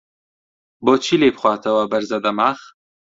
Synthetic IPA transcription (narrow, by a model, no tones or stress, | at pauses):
boːt͡ʃʰileːbxʷwʷɑːt̪ʰɐwɐbɐɾzɐd̪ɐmaːx